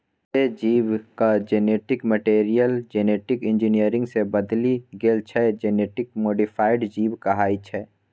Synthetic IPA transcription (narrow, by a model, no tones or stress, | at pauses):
ed͡ʒiːʋkad͡ʒeːneːʈɪkməʈeːɾijəld͡ʒeːneːʈɪkɪ̃nd͡ʒinijəɾɪ̃ŋɡsebəd̪liɡeːlt͡ʃʰɛd͡ʒeneːʈɪk̚moːɖɪfʰaːɪɖd͡ʒiːbkɐɦaːit͡ʃʰɛː